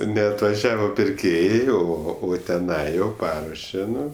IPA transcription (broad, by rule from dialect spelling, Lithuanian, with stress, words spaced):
nʲɛɐtʋɐˈʒʲæːʋoː pʲɪrʲˈkʲeːjɛɪ oː ˈoː oː tʲɛˈnɐɪ jɛʊ ˈpɑːruɔʃʲɛ ˈnʊ